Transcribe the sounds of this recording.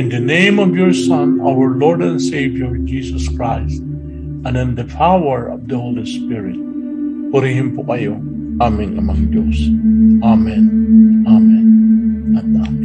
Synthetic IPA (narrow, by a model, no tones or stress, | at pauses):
ʔɪ̃nd̪ɐnẽjmɔvjɔɹsʌ̃nʔa̰wəɹlɔɹd̪ɛ̃nsejvjɔɹd͡ʒiːsɔskɹajst̪̚ | ʔɐ̃nɪ̃nd̪ɐpʰawɛɹɔ̰vd̪ɐholispɪɹɪ̰t̪̚ | fɔɾiɦɪ̃mpoʔɐjo | ʔamɪ̃nɐ̰mã̰ŋd̪josʔamɛ̃nʔamɛ̃nɐ̃nam